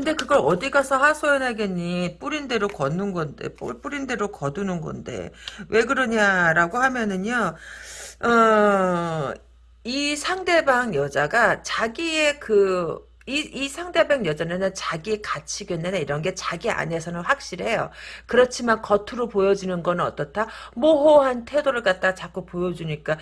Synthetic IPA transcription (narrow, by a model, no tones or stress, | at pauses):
kɯnde̞kɯɡʌɾʌdiɡasʰʌɸasʰojʌnɦaɡeɲːip͈uɾinde̞ɾokʌnːɯnɡʌnde̞̰pṵp͈uɾinde̞ɾokʌdunɯnɡʌ̰nde̞̰wʔe̞ɡɯɾʌɲaɾaɡohamjʌnɯɲo | ʌ | isʰaŋde̞baŋjʌd͡ʑaɡat͡ɕaɡie̞kɯ | iisʰaŋde̞baŋjʌd͡ʑanenɯnt͡ɕaɡiekat͡ɕʰiɡenːɯnaiɾʌnɡe̞t͡ɕaɡia̰ne̞sʰʌnɯnɸwak̚ɕ͈iɾɦe̞jo̰kɯɾʌt͡ɕʰimankʌtʰɯɾopojʌd͡ʑinɯnɡʌnɯʌt͈ʌtʰamoɦoɦantʰe̞doɾɯɭk͈at̚t͈at͡ɕak͈upojʌd͡ʑuɲik͈a